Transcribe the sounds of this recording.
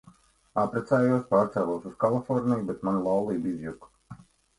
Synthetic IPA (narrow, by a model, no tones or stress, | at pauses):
apɾɛt̪saːjuɔspaːɾt̪sæːlˠuɔsuskalˠifɔɾnijbɛt̪manlˠawlˠiːbizjuk